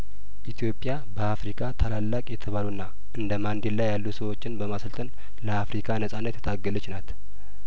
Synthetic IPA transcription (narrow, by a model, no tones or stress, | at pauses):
ʔit̪ʰjo̞pʼːja | bəafɾikʰat̪ʰalalːakʼjɛt̪ʰəβalunːa | ʔɨnd̪əmand̪ellajːalːusəwo̞t͡ʃːɪnbəmasəlt̪ʼən | ləafɾikʰanəsʼanːət̪jɛt̪ʰaɡːələt͡ʃːnat̪